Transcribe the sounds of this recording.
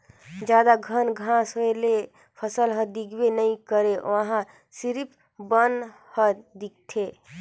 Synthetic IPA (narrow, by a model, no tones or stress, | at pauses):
d͡ʒjaːd̪aɡʱənɡʱãsɦoele | pʰəsəlɦəd̪ikʰbenəĩkəɾeʔo̰əɦã | siɾip | bən | həd̪ik̚t̪ʰe